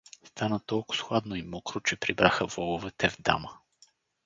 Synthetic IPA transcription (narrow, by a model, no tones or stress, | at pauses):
st̪anət̪ɔlˠkʊ̥sxlˠad̪noimɔkɾʊt͡ʃɛpɾibɾaxəvɔlˠʊvɛt̪ɛvd̪a̰mə